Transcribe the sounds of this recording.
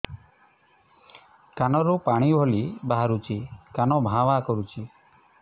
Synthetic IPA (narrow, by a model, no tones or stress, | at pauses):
kanɔɾupaɽ̃ibʱɔlibaɦaɾut͡ʃʰikanɔbʱãʋakɔɾut͡ʃʰi